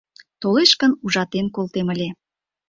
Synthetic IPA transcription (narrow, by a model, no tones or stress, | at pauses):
t̪oleʃkənuʒɑt̪enkolt̪eməlʲe